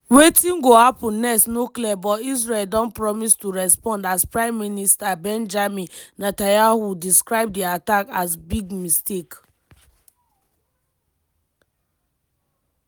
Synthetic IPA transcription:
wetĩnɡohapũnːɛsnokliɛbɔtis̬ɹeeldɔ̃npɹɔmistuɹɛspɔ̃ndaspɹãɪ̃mːinistabɛ̃nd͡ʒamĩnnatajahudiskɹaɪb̚diatakasbiɡmistek

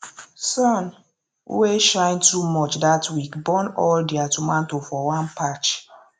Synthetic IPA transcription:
sɔn̰ | weʃãɪ̃ntumɔt͡ʃdatwikbɔnɔldiatumãntofɔwãnpat͡ʃ

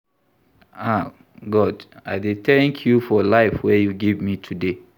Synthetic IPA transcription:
a | ɡɔdaɪdeθɛ̃ŋkʰjufɔlaɪfwɛjuɡevmitʰude

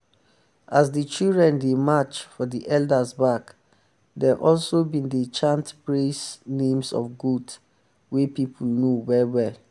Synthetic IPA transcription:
asdət͡ʃildɹɛ̃ndemat͡ʃfɔdiʔɛldəsbak | dɛʔɔlsobĩndet͡ʃãntbɹesnẽmsɔ̰fɡud | wepipʰulnowɛɹwɛl

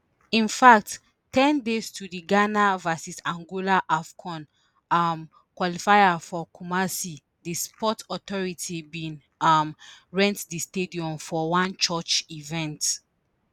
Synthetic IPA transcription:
ĩnfak̚t | tɛ̃ndestʰudiɡanavasisãŋɡolaʔafkʰɔ̃n | am | kwɔlifajafɔkumasi | dispɔtɔtɔɹitʰibĩn | amɹɛ̃ntdistediɔ̃mfɔwãnt͡ʃɔt͡ʃivɛ̃nt

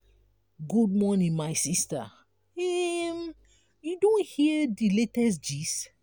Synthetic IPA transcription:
ɡud̚mɔnĩnmaɪsista̰ | ɛm | judõnhiədiletɛs̬d͡ʒis

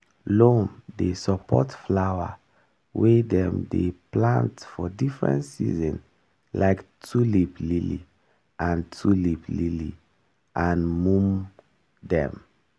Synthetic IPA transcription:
lõmdesɔpʰɔtflawa | wedɛ̃mdeplãntfɔdifɹɛ̰̃ntsḭzɔ̃n | laɪktʰuliplilḭ | ʔãntʰuliplili | ʔãnmũm | dɛ̰̃m

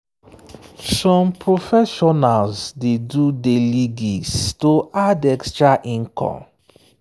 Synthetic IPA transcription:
sɔ̃mpɹofɛʃɔnalzdedudeliɡistoʔadɛkstɹaʔĩŋkʰɔ̰̃m

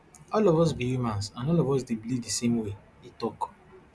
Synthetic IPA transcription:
ɔlɔvɔs̬bihumãnsãnɔlɔvɔs̬debilivdisemwe | itɔk

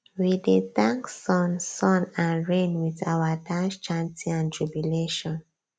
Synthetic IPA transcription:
widitãŋksɔ̃nsɔ̃nãnɹẽnwiðawədãʃt͡ʃãntiãntʰɹubjuleʃɔ̃n

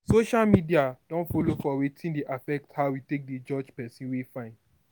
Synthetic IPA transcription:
soʃalmidiad̥ɔ̃nfɔlofɔwetʰĩndeʔafɛk̚thaʊwitek̚ded͡ʒɔd͡ʒpɛsĩnwefãɪ̃n

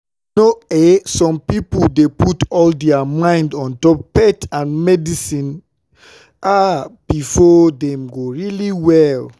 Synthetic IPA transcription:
noesɔ̃mpipuldeputɔldɛamãɪ̃ndɔ̃ntɔpːɛtãnmɛdisĩn | ʔab̥ifɔdɛ̃mɡoɹiliwɛl

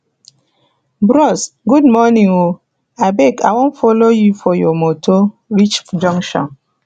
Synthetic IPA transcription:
bɾɔsɡudmɔnĩŋo | abɛkawõnfɔlojufɔjɔmotʰoɾit͡ʃd͡ʒɔ̃ŋʃɔ̰̃n

